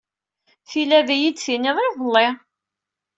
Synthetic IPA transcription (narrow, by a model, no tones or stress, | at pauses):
θilæðæjid̪θinɪðˤɪðəlːe